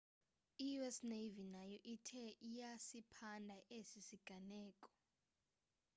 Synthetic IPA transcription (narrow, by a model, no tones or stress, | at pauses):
ijuɛsnevinajɔʔitʰɛijasipʰandʱaʔesisiɡ̥ʱanɛːkʼɔ̥